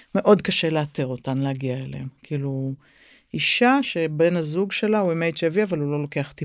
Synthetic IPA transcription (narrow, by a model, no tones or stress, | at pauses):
me̞ʔo̞dkaʃe̞leateʁo̞tanleaɡiaelḛemkiilu | iʃaʃe̞be̞nhazuɡʃe̞lauimejtʃeaviavalulo̞lo̞ke̞aχt̪i